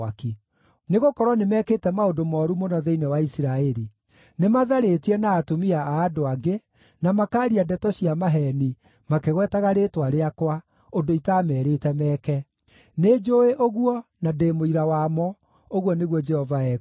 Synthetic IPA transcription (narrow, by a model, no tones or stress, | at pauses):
aki | neɣokɔɾwɔnemɛkeːtɛmaodomɔːɾumonɔðɛinewaisiɾaɛɾi | nemaðaɾetiɛnaːtomiaːdoaɡe | namakaːɾiadɛtɔɕiamaɦɛni | makeɣwɛːtaɣaɾetwaɾeakwa | ondoitaːmɛɾetɛmɛːkɛ | ned͡ʒoeʔoɣuɔnademoiɾawamɔ | oɣwɔneɣwɔd͡ʒɛhɔvaɛ